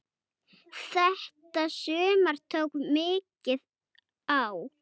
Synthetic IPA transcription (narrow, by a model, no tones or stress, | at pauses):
θɛht̪asʏːmaɾ̥t̪ʰowkmɪːcɪð | aw